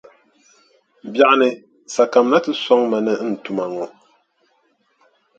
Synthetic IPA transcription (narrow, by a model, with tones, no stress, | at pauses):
bja˨ʔnɨ˨ | sa˨ka˨mna˦tɨ˦sɔ˦ŋma˨nɨ˦n̩˨tu˨ma˨ŋɔ˨